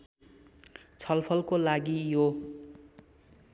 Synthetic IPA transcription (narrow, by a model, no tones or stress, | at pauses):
t͡sʰʌlpʰʌlkolaɡijo